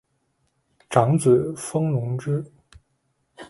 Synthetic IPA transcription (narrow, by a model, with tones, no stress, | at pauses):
ʈ͡ʂɑ˧˥ŋt͡s̩˨˩fɤ˥ŋnʊ˧˥ŋʈ͡ʂɻ̩˥